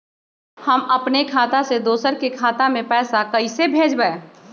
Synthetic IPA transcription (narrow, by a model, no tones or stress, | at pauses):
hɐmɐpnekʰaːt̪ased̪oːsəɾkekʰaːt̪amẽpɛːsakɐisebʱeːd͡ʒbəe